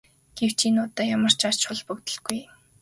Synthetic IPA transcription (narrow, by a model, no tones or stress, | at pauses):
ɡ̥ew̥t͡ɕiːnʊːt̪ːaːjamə̆r̥t͡ɕḁt͡ɕʊɮpɵkt̪ɵ̆ɮɡ̥uj